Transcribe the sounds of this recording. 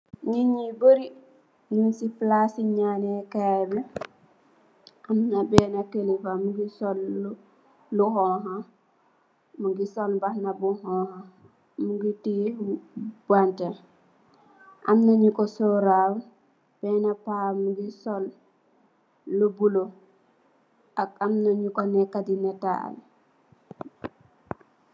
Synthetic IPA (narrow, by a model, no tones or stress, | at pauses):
ɲiɲiboɾi | ninsiplasiɲanekabi | amnabɛːnakenipamuɡisol | luhɔɦa | muɡisolbahnabuhɔha | muɡiti | banta | ʔa̰mnaɲukɔsɔɾaw | b̥ɛːnapamuɡisɔl | ubulo | akamnaɲukɔnɛkadinɛta̰l